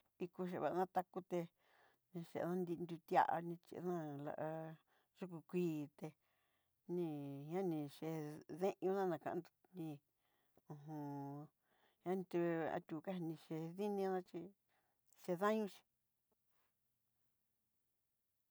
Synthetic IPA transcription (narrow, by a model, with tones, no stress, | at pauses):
i˧ku˧ʃ̬e˧˨βa̰˨˧nã˦t̪a˧ku˧t̪e˧ | nĩ˧ʃḛ˨˧˨nã˦nd̪i˧nd̪u˧t̪a̰˦˧ʔa̰˧nĩ˧t͡ʃḭ˧ʔnã˦la̰˧ʔa˧ | ʐu˦ku˧kʷiː˦˧˦t̪e˧ | nĩ˧ɲã˦nĩ˧ʃe˧ðẽ˦ʔɲũ˧nã˦nã˧˨kã̰˧ʔnd̪u̥˧nĩ˧ | ũ˧˨ɦũ˧ | hã˦n˧t̪u˧a̰˧t̪ʲu˧˨˧ka˦hnĩ˧ʃe˧ði˦nĩ˧˦nã˦t͡ʃi˧ | ʃe˧ðã˦ɲũ˦ʃi̥˧